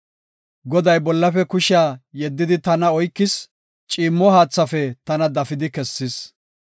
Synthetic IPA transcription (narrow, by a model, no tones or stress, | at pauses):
ɡɔd̪ɐjbɔlːɐfɛkʊʃaːjɛd̪ːɪd̪ɪt̪ɐnɐɔjkːɪs | t͡ʃʼiːmːɔhaːt͡sːɐfɛt̪ɐnɐd̪ɐfɪd̪ɪkɛsːɪs